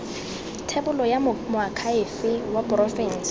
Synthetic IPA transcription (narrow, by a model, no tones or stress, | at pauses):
tʰebʊlɔjamʊakʰaɪfɪwapʼʊrɔfin̩s